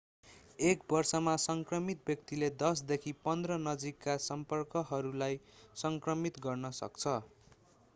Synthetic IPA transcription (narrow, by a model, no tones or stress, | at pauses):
ekbʌrsʌmasʌŋkrʌmit̪̚bjʌk̚t̪iled̪ʌs̬d̪ekʰipʌnd̪rʌnʌd͡zikːasʌmpʌrkʌɦʌɾulajsʌŋkrʌmit̪ɡʌrnʌsʌ̰kt͡sʰʌ